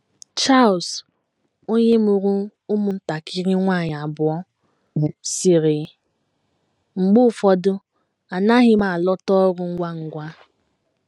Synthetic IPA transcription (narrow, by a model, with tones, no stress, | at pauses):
t͡ʃa˦˨ls | o˦ɲe˦mʊ˨ɾu˦u˦mʊ˦n̩˦ta˨ki˦ɾi˦ŋʷa˦˨ɲ˨a˨bʊ˨ɔ˦˨ | si˨ɾi˨ | ŋ͡m̩˨ɡ͡bʊ˦˨fɔ˨dʊ˦ | a˨na˦ɦɪ˦ma˨lɔ˦tɔ˦ɾʊ˨ŋ̩˦ɡʷa˦ŋ̩˨ɡʷa˦